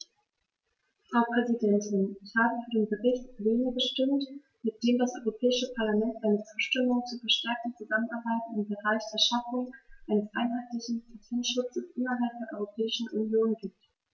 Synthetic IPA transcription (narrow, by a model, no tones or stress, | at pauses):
fʁ̥aʊpʁ̥ɛzidɛntʰɪnɪçhaːbəfyːɐdeːnbəʁɪçtleːnəbəʃtɪmt | mɪt̚d̥eːmdasʔɔʏʁopʰɛːɪʃəpʰaɐlamɛntʔaɪnət͡su̥ːʃtɪmʊŋt͡suːfəɐʃtɛɐk̚tn̩t͡suzamənʔaɐbaɪtnɪmbəʁaɪçd̥eːɐʃafʊŋʔaɪnəsʔaɪnɦaɪtlɪçn̩pʰatʰɛntʃʊt͡səsʔɪnɐɦalp̚d̥eːɐʔɔʏʁopʰɛːɪʃn̩ʔunjoːnɡiːp̚t